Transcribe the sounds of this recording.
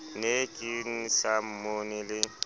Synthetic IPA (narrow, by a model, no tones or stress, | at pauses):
nekʼin̩sam̩monɪlɪ